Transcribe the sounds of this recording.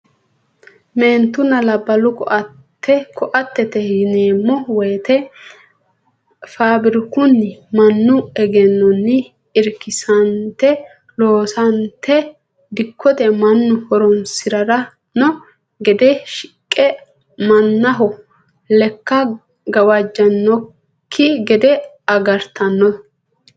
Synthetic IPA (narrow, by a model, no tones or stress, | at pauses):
meːnt̪ːʊnɐlɐbːɐlʊkɔʔɐ | t̪ʰːɛkʰɔʔɐt̪ːɛt̪ɛhɪneːmːɔwɔjt̪ɛ | faːbɪɾɪkʊnːɪmɐnːʊɛɡɛnːɔnːɪ | ɪɾkːɪsɐnt̪ːɛ | loːsɐnt̪ːɛ | d̪ɪkʰːɔt̪ɛmɐnːʊhɔɾɔnsɪɾɐɾɐ | nɔ | ɡɛd̪ɛʃɪ̥kʼːɛ | mɐnːɐɦɔ | lɛkːɐ | ɡɐwɐd͡ʒːɐnːɔ | kʰːɪɡɛd̪ɛ | ɐɡɐɾt̪ʰɐnːɔ